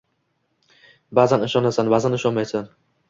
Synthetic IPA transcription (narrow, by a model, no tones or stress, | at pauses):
bazanɪʃɒnasanbazanɪʃɒnmajsan